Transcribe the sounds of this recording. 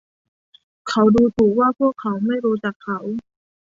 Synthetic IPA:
kʰa˦˥wduː˧t̪ʰuː˨˩waː˥˩pʰu˥˩əkʰːa˩˦wma˥˩jɾuː˧t͡ɕa˨˩kʰːa˧˦˥w

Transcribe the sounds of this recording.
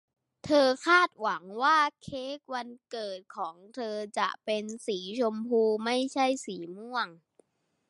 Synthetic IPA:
t̪ʰɤː˧kʰaː˥˩t̪̚wa˩˦ŋwaː˥˩kʰeː˦˥˩k̚wa˧nkɤː˨˩t̪̚kʰɔː˩˦ŋt̪ʰɤː˧t͡ɕa̰˨˩ʔpe˧nsiː˩˦t͡ɕʰo˧mpʰuː˧ma˥˩jt͡ɕʰa˥˩jsiː˩˦mu˥˩əŋ

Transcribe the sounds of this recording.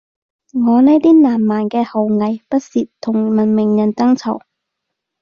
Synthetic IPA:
ŋɔː˨˧ne˥jt̪iː˥naː˨˩mːaː˨˩nkɛː˧ho˨˩wŋɐ˨˩jpɐ˥t̚siː˨t̚t̪ʰːʊ˨˩ŋmɐ˨˩nmɪ˨˩ŋjɐ˨˩nt̪ɐ˥ŋt͡sʰɐ˨˩w

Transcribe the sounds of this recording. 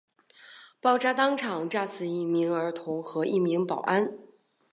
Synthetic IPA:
pɑ˥˩ʊʈ͡ʂa˥t̪ɑ˥ŋʈ͡ʂʰɑ˨˩ŋʈ͡ʂa˥˧sɹ̩˥˧i˥˩mi˧˥ŋə˞˧˥t̪ʰʊ˧˥ŋxɤ˧˥i˥˩mi˧˥ŋpɑ˨˩ʊʔa˥n

